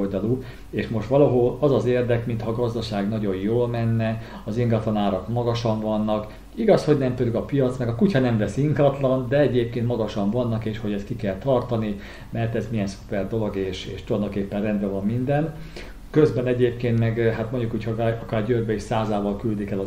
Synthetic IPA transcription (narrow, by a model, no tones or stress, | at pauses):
ld̪ɒlu | eːʃmo̞ʃt̪ʋɒlɒɦolɒzɒzeːrd̪ɛkmint̪hɒːɡɒzd̪ɒʃaːɡnɒɟo̞jjoːlmɛnːɛ | ɒziŋɡɒt̪lɒnaːɾɒkmɒɡɒʃɒɱvɒnːɒk | iɡɒsho̞ɟnɛmt̪ølyɡɒpijɒt̪snɒkɒkuchɒnɛɱvɛsiŋɡɒt̪lɒnd̪ɛɛɟeːp̚keːnt̪mɒɡɒʃɒɱvɒnːɒkeːʃho̞ɟɛst̪kikɛlt̪ɒrt̪ɒni | mɛrt̪ɛzmijɛnsu̥pɛrd̪o̞lo̞ɡeːʃeːʃt̪uɒnd̪okeːpːɛnrɛnd̪bɛvɒmːind̪ɛn | køzbɛnɛɟeːpkeːnt̪mɛɡɦat̪moɲɟukuːchoɒkaːrɟøːrbɛeːʃsaːzaːvɒlkyld̪ikɛlɒ